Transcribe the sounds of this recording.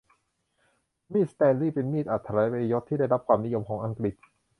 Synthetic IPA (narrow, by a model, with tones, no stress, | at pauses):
miː˥˩t̪̚st̪ɛː˧nliː˥˩pe˧nmiː˥˩t̪̚ʔa˨˩t̪ʰːa˧laː˨˦˥jpa˧jo˦˥t̪ʰːiː˥˩da˥˩jɾa˦˥p̚kʰwaː˧mni˦˥jo˧mkʰɔː˩˦ŋʔa˧ŋkɾi˨˩t̪̚